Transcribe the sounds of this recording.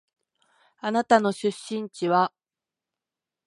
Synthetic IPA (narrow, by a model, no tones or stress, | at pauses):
anat̪ano̞ɕɨɕːĩɲ̟t͡ɕiβa